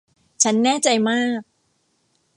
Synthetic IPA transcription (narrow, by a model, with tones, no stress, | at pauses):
t͡ɕʰa˦˥nːɛː˥˩t͡ɕa˧jmaː˥˩k̚